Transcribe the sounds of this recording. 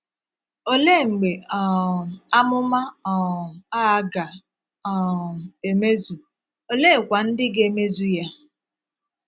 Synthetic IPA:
o˦le˦˨ŋ͡m̩˨ɡ͡be˨ɔ˨a˦mʊ˦ma˦ɔ˨a˦ɡa˨ | ɔ˨e˨me˦zu˨ | o˨le˦˨kʷa˨n̩˦dɪ˦ɡe˨me˦zu˦ja˦

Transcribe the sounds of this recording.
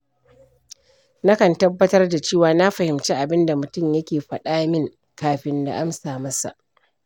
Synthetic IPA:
na˦kɐ˨ntɐ˦bːɐ˦tɐ˦rda˨t͡ʃeː˦˨waː˨na˦ɸɐ˨hɪ˨mt͡ʃeː˦ʔa˨bɪ˦nda˨mʊ˨tʊ˦mjɐ˦kʲeː˨ɸɐ˨ɗaː˦mɪ˦ŋ | kaː˨ɸɪ˦nda̰˨ʔa˦msaː˨mɐ˦sa̰˨ʔ

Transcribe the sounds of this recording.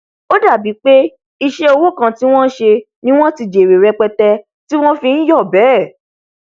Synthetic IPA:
o˦da˦˨bi˨˦k͡pe˦ | i˧ʃe˦o˧wo˦˨kã˧ti˦w̃ɔ̃˦ʃe˧ | nĩ˦w̃ɔ̃˦ti˨d͡ʒe˨ɾe˨ɾɛ˧k͡pɛ˧tɛ˧ | ti˦w̃ɔ̃˦fĩ˧n̩˦jɔ˦˨bɛ˨˦˨

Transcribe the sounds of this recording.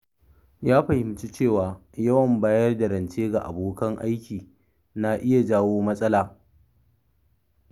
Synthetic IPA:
jaː˦ɸɐ˨hɪ˨mt͡ʃu˦t͡ʃeː˦˨waː˨jɐ˦wɐ˨mbaː˦jɐ˦rda˨ɾɐ˨nt͡ʃeː˦ɡa˨ʔa̰˨boː˦kɐ˦ŋʔa˦jkʲiː˨ | na˨ʔɪ˦ja˨d͡ʒaː˦woː˦mɐ˦sʼɐ˦laː˨

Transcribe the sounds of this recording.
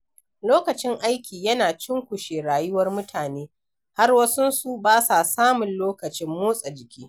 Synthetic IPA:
loː˦kɐ˨t͡ʃɪ˦ŋʔa˦jkʲiː˨jɐ˦naː˨t͡ʃɪ˦ŋkʷʊ˨ʃeː˨ɽaː˨jʊ˦wɐ˦rmʊ˦tʰaː˨neː˦ | ha˦rwɐ˦sʊ˦nsu˦baː˦sa˨saː˦mʊ˨nloː˦kɐ˨t͡ʃɪ˦mːoː˦sʼɐ˨d͡ʒɪ˨kʲiː˦

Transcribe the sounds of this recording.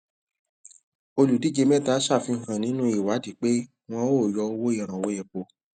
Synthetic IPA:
o˧lu˨di˨˦d͡ʒe˧mɛ˦˨ta˨˦ʃa˦˨fi˧ŋ̩˨kã˨nĩ˨˦nũ˦i˦˨wa˨˦di˨˦k͡pe˦ | w̃ɔ̃˧o˦˨jɔ˧o˧wo˦i˦˨ɾ̃ã˨wo˨˦jɛ˨k͡po˧

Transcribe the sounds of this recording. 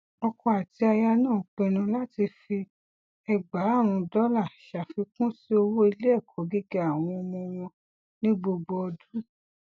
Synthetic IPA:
ɔ˧kɔ̃˧a˨ti˧a˧ja˧nãː˦˨k͡pɛ˧˨nũ˧la˦ti˧fi˧ | ɛ˨ɡ͡ba˨˦˨ɾ̃ũ˧dɔ˦la˦˨ʃa˨fi˧kũ˦si˦o˧wo˦i˧le˦ɛ˦˨kʰɔ˨˦ɡi˦ɡe˦a˦˨w̃ɔ̃˧ɔ˧mɔ̃˧w̃ɔ̃˧ | nĩ˦ɡ͡bo˧ɡ͡bɔ˧ɔ˧du˦

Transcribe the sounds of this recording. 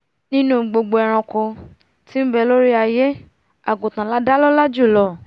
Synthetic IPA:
nĩ˦nũ˦˨ɡ͡bo˧ɡ͡bo˧ɛ˨ɾ̃ɔ̃˧kɔ̃˧ | ti˦m̩˦bɛ˧˨lo˦ɾi˦a˧je˦ | a˨ɡõ˨tã˨la˨˦da˦lɔ˦la˦d͡ʒu˦˨lɔ˦˨

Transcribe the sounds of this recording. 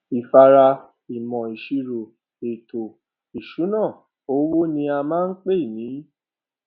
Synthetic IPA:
i˨fa˧ɾa˧ | i˨mɔ̃˨i˨ʃi˨˧ɾo˨ | e˨to˨ | i˨ʃu˨˦nãː˦˨ | o˦wo˦nĩ˧˦a˧mãː˦˧n̩˦k͡pe˦˨nĩ˨˦

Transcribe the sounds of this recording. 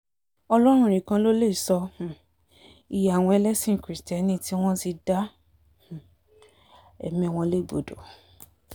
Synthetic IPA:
ɔ˧lɔ˦ɾ̃ũ˦˨ɾ̃ĩ˨kã˧lo˦le˦i˨sɔ̃˧˨ | i˨ja˨a˨w̃ɔ̃˧ɛ˧lɛ˦sĩ˦˨kɾi˨˦stɛ˨˦nĩ˦ti˦w̃ɔ̃˦ti˧dã˦˨ | ɛ̰˨mĩ˦˨w̃ɔ̃˧le˦˨ɡ͡bo̰˨do˨

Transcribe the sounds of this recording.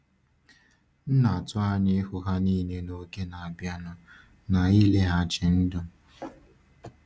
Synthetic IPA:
n̩˦na˨a˨tʊ˦a˦ɲe˦hʊ˨ɦa˦niː˦ne˦no˦ke˦na˨a˨bja˦nʊ˨ | na˨iː˦le˦ɦa˦˨t͡ʃɪ˨n̩˦dʊ˦

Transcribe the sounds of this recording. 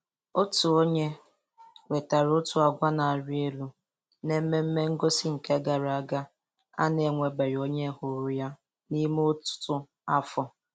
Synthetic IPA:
o˦tu˨o˦ɲe˦ | we˨ta˨ɾʊ˦tʊ˨a˨ɡʷa˦na˨a˨ɾi˦e˦lu˦ | ne˦m̩˦me˦m̩˦me˦ŋ̩˦ɡo˦si˦ŋ̩˨ke˦ɡa˨ɾa˨a˦ɡa˦ | a̰˦ne˨ŋʷe˨ɡ͡be˨ɾi˨o˦ɲe˦hʊ˨ɾʊ˨ja˦ | ni˦m˦o˦tʊ̥˦tʊ˦ | a˦fɔ˦

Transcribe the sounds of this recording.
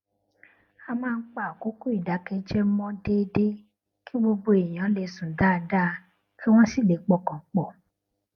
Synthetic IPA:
a˧mãː˦˧˦k͡pa˦˨ko˦ku˦i˦˨da˨˦kɛ̃˧d͡ʒɛ˦mɔ̃˦de˦de˦ | kʰi˦bo˧bo˧e˨j̃ã˨˦le˧sũ˨da˦˧da˦˧˦ | ki˦w̃ɔ̃˦si˦˨le˨˦k͡pɔ˦˨kã˨k͡pɔ˨

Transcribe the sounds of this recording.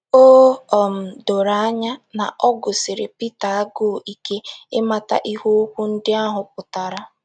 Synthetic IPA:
oː˦ɔ˨m̩˨do˨ɾa˨a˦ɲa˦na˨ʔɔ˦ɡʊ˨sɪ˨ɾɪ˨pi˦ta˨a˦ɡo˦˨ʔi˨ke˦ɪ˦ma˨ta̰˦ʔi˦ho˦kʷu˦n̩˦dɪ˦a˦ɦʊ˨p̚ʊ˨ta˨ɾa˦

